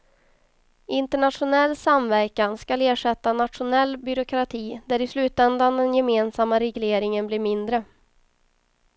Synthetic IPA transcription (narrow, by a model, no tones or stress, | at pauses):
ɪnt̪əɳat̪ʂʊnɛlːsamvæɾkanskaleːʂɛt̪ːanat̪ʂʊnɛlːbʏɾʊkʰɾat̪ʰiːd̪æɾɪslʉːt̪ɛnd̪and̪ɛnjɛmeːnsamːaɾɛɡleːɾɪŋənbliːɾmɪnd̪ɾə